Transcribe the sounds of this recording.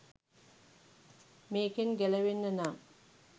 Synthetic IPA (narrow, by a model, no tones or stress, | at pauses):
meːkenɡælɐʋenːənaː